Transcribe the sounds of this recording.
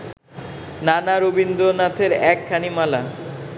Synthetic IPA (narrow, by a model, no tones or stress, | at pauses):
nanaɾobind̪onat̪ʰeɾɛkʰːanimala